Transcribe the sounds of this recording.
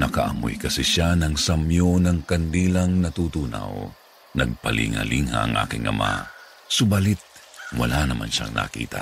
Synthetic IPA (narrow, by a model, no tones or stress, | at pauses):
nɐkɐʔɐmʊjkɐsɛʃanɐŋsɐmjonɐŋkɐnd̪iːlɐŋnɐt̪ut̪uːna̰w | nɐɡ̚pɐlʔḭŋhaliŋhaʔɐŋʔa̰ːkɪŋʔɐma̰ | sʊbalit̪̚walanɐmʔanʃaŋnʔɐ̰kḭːt̪a